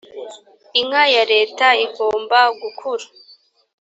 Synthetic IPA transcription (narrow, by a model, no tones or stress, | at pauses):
iŋajaɾe̞ːtaikoːmbaɡukʰuɾa